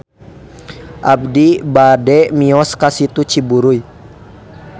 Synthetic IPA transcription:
ʔabdibadɛmiɔskasit̪ut͡ʃibuɾuj

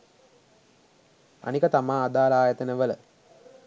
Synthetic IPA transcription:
a̰nikət̪amaːd̪aːlaːjət̪ənəʋələ

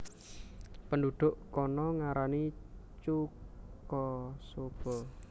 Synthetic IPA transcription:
pənduɖ̪̥ʊʔkɔnɔŋaɾani | t͡ʃukɔsob̥ɔ

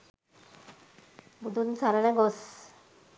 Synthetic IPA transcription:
bud̪unsaɾaneɡos

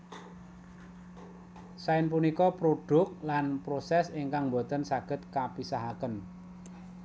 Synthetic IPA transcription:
saɪnpunikɔpɾoɖ̥ʊ̤k̚lanpɾosɛseŋkaŋmbo̤t̪ənsaɡ̥ə̤t̪̚kapisaɦakən

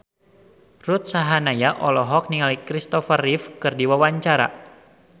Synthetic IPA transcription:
rut̪̚saɦanajaʔɔlɔɦɔk̚niŋalikɾist̪ɔfərifkɨrdiwawaɲt͡ʃaɾa̰

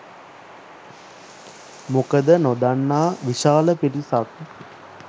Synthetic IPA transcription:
mokəd̪ənod̪anːaːʋiʃaːləpiʈisak̪

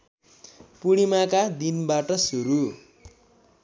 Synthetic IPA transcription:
puɽimakad̪inbaʈʌsuɾu

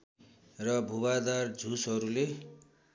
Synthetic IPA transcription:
rʌbʱuwad̪ard͡zʱusɦʌɾule

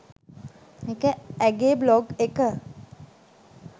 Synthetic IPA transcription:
ekəæɡeblɔɡekə

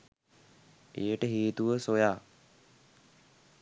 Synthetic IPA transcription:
ejəʈəɦiːt̪uʋəsojaː

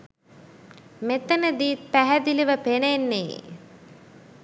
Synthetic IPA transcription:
met̪ənəd̪iːt̪̚pæɦæd̪iliʋəpenenːḛː

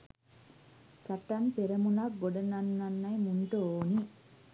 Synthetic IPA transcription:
sɐʈːɐnpeɾɐmunɐk̚ɡoɖɐnɐnːɐnːɐjmuɳʈooːni

